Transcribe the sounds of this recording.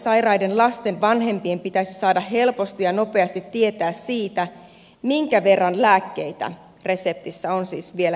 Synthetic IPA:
sɑjrɑjdenlɑst̪e̞nʋɑnɦe̞mpiempit̪æisisɑːdɑɦe̞lpo̞st̪ijɑno̞pe̞ɑst̪it̪ːie̞t̪æːssiːt̪æ | miŋkæʋe̞rːɑnlæːkːe̞jt̪æ̰ | re̞se̞p̚t̪isːæonsḭːsʋielæ

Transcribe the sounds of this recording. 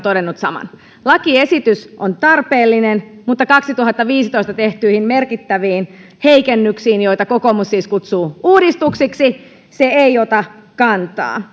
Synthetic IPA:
t̪odenːut̪sɑmɑ̰n | lɑkie̞sit̪ysʔont̪ɑrpeːlːinenmut̪ːɑkɑksit̪uɦɑt̪ːɑʋiːsit̪ojst̪ɑt̪eht̪yːhimmerkit̪ːæʋiːn | heikenːyksiːnjojt̪ɑkokoːmusːiːskut̪suːuːdist̪uksiksi | seeiot̪ɑkɑnt̪ɑ̰ː

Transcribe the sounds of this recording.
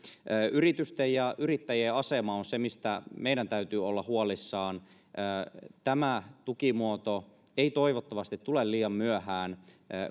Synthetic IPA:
ʔyrit̪yst̪ejjɑʔyrit̪ːæjeɑsemɑonsemist̪æmeiɾænt̪æyt̪yːolːɑhuolisːɑːn | ʔːt̪æmæt̪ukimuot̪o | eit̪oiʋot̪ːɑʋɑst̪it̪tulelliːjɑmmyøhæːnː

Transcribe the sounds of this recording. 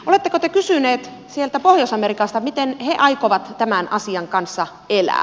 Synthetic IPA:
olet̪ːekot̪ekysyneːt̪ | sielt̪æpohjosɑmeɾikɑst̪ɑmit̪enheʔɑijkoʋɑt̪t̪æmænʔɑsiɑŋkɑnsːɑ | elæ̰ː

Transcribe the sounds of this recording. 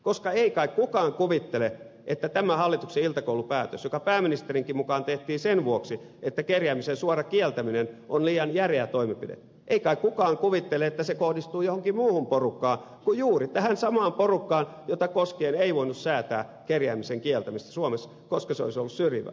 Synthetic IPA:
koskɑeikɑikkukɑːŋkuʋit̪ːele | ʔet̪ːæt̪æmæhɑlːit̪ukseilt̪ɑkoulupæːt̪øsjokɑpæːminist̪eriŋkimukɑːnt̪eht̪iːsenʋuoksi | et̪ːækerjæːmisensuɑrɑkielt̪æminenʔonliːjɑnjæreæt̪oimipidḛt̪ | ʔeikɑikkukɑːŋkuʋit̪ːeleet̪ːæsekohdist̪uːjohoŋkimuːhumporukːɑː | kujuːrit̪æhænsɑmɑːmporukːɑːn | jot̪ɑkoskeːneiʋoinussæːt̪æ̰ːkerjæːmiseŋkielt̪æmist̪æ̥suomes | koskɑseo̰isolːussyriʋæ̰

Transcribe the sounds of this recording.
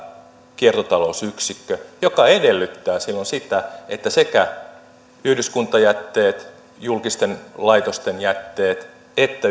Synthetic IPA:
kiert̪ot̪ɑlosyksikːøjokɑedelːyt̪ːæːsilːonsit̪æet̪ːæsekæ | yhdyskunt̪ˑɑjæt̪ːeːt̪ | julkist̪enlɑit̪ost̪enjæt̪ːeːt̪ | et̪ːæ

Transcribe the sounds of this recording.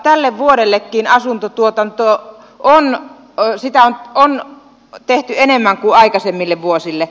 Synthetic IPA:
t̪ælːeʋʋuoɾelːekːiːnɑsunt̪ot̪uot̪ont̪o | on | sit̪æonon | t̪eht̪yenemːæŋkuɑikɑsemːilːeʋʋuosilːe

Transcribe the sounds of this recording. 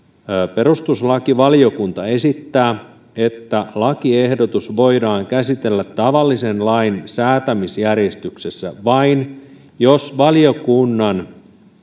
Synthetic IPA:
pe̞rust̪uslɑkiʋɑlio̞kunt̪ɑe̞sit̪ːæː | e̞t̪ːælɑkiehdo̞t̪usʋo̞idɑːŋkæsit̪e̞lːæt̪ːɑʋɑlːise̞nlɑinsæːt̪æmisjærje̞st̪yksesːæ̰ʋɑin | jo̞sʋɑlio̞kunːɑn

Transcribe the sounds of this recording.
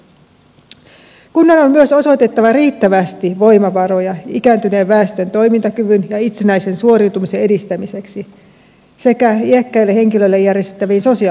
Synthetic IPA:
kunːɑno̞mmyøso̞so̞jt̪e̞t̪ːɑʋɑɾiːt̪ːæʋæst̪iʋo̞jmɑʋɑɾo̞jɑikæːnt̪yne̞ːʋːæːst̪ø̞nt̪o̞jmint̪ɑkyʋynjɑit̪senæjse̞nsuo̞ɾiuwt̪umisee̞dist̪æmise̞ksi | se̞kæiekːæilːehe̞ŋkilø̞lːe̞jːærjest̪et̪ːæʋiːnso̞si

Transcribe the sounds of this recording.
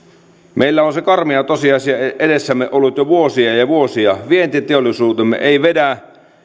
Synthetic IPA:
mʔeilːæonsekɑrmiɑt̪osiɑˑisiɑeedesːæmːeʔolːut̪joʋuosiɑjɑʋuosiɑʋient̪it̪eolːˑisuːt̪emːḛʔeiʋedæ

